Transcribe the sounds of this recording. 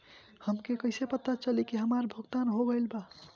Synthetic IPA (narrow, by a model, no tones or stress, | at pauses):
həmkekəɪsepət̪ːat͡ʃəlikeɦəmaɾbʱuɡt̪anɦoɡəjlba